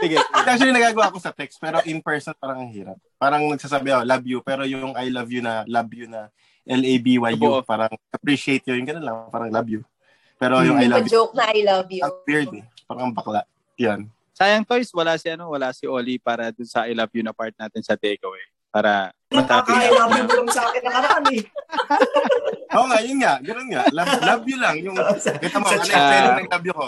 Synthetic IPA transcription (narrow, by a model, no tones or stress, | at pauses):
sɪɡɛak̚t͡ʃuʊɐlinɐɡaːɡɐwaːɐko̞sɐt̪ɛkst̪̚pɛːɾoʔɪnpɛɹsɔnpaːɾɐŋɐŋhiːɾɐp̚ːaːɾɐŋnɐɡ̚saːsaːbɛʔolabjupɛːɾo̞jʊʊŋajlɐvjʊnɐlɐbjʊnɐ | ʔɛlejbiwajjuʔpaːɾɐŋʔɐpɾiːʃɪejt̪̚ɲojʊŋɡɐnonlɐŋpaːɾɐŋlabju | pɛːɾo̞jʊŋŋajlad͡ʒowk̚nɐʔajlɐvjuɐwɪɹd̪ɛpaːɾɐŋɐmbɐklaʔ | jon | saːjɐŋt̪ojswɐlasɪʔɐno̞wɐlasɪʔoːlipaːɾɐd̪ʊnsɐʔɐjlɐbjunɐpaɹt̪̚naːt̪ɪnsɐt̪ɛːɡowɛ | paːɾɐ | ɐt̪ak̪iaɐabʊʊŋsaːkɪnːɐŋɐɾaːmi | ʔoːŋaʔjʊnŋaʔɡɐnonŋaʔlajlabjulɐŋjʊŋkɐt̪ɐmoɐaɐnɐŋlabjʊko